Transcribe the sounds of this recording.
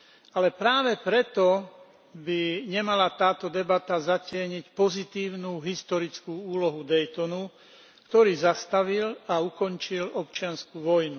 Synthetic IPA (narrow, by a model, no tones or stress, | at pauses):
alɛpɾaːʋɛpɾɛt̪ɔ | biɲɛmalat̪aːt̪ɔd̪ɛbat̪azacɪɛɲicpɔzit̪iːʊnuːɦist̪ɔɾit͡skuːuːlɔɦud̪ɛjt̪ɔnu | kt̪ɔɾiːzast̪aʋilaukɔɲt͡ʃilɔpt͡ʃɪanskuːʋɔjnu